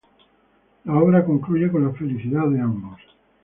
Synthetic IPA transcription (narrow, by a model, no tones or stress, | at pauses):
laoβ̞ɾako̞ŋkluʝekonlafe̞liθiðaðeambos